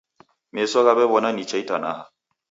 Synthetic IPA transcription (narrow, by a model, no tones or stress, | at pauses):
mesɔkabɛbɔnanit͡ʃaitana̰ha